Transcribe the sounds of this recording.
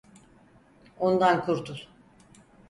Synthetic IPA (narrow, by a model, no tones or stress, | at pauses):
ond̪ankʰuɾt̪ʰu